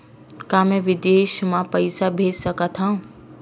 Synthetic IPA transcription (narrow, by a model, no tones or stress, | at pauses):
kaːmẽʋɪd̪eːʃmãpəɪsabʱeːd͡ʒsəkat̪ʰã